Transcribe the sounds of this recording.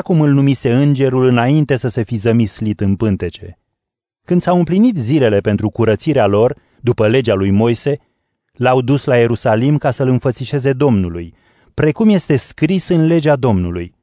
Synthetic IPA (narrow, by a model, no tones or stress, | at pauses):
akumɨlnumise̞ɨnd͡ʒe̞ɾulɨnaint̪e̞səse̞fizəmislit̪ɨnpɨnt̪e̞t͡ʃe̞̰ | kɨnd̪sawɨmplinit̪zile̞le̞pe̞nt̪ɾukuɾət̪siɾealo̞r | d̪upəle̞d͡ʒealujmo̞jse̞ | lawd̪uslaje̞ɾusalimkasəlɨnfət̪siʃe̞ze̞d̪o̞mnuluj | pɾe̞kumje̞st̪e̞skɾisɨnle̞d͡ʒead̪o̞mnuluj